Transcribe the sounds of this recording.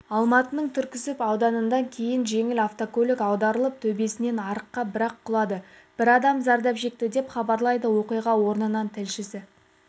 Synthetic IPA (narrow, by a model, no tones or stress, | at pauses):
ɑlˠmɑt̪ənəɴt̪ʰʏɾkʲɪsɪpɑwd̪ɑnənd̪ɑŋkʲʰe̞jɪnʒe̞ŋɪlɑft̪okolʲɪkɑwd̪ɑɾəlˠəp̚t̪ʰɵbe̞sɪne̞nɑɾəqːɑbɪɾɑqʰːʊlˠɑd̪ə | b̥ɪɾɑd̪ɑmzɑɾd̪ɑpʒe̞k̚t̪ɪd̪e̞pχɑbɑɾlˠɑjd̪əwo̞qijʁɑwo̞ɾnənɑnt̪ʰɪlʃɪsɪ